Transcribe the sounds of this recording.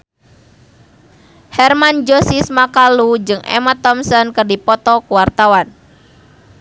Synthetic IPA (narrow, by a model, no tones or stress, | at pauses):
hɛrmand͡ʒɔsismakalud͡ʒɨŋʔɛ̰mat̪ɔmsɔnkɨrdipɔt̪ɔkuwart̪awan